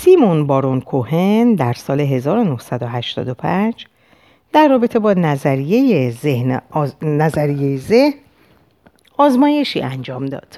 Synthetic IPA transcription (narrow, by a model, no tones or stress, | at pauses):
simonbɒːɾonkʰohe̞nd̪æɾsɒːle̞ɦe̞zɒːɾo̞nohsæd̪oɦæʃt̪ɒ̰ːd̪o̞pʰænd͡ʒ | d̪̥æɾːɒːbe̞t̪ʰe̞bɒːnæzæɾije̞jezehnnæzæɾijejeze̞hn | ɒːzmɒːje̞ʃḭʔænd͡ʒɒːmd̪ɒ̰ːd̪̥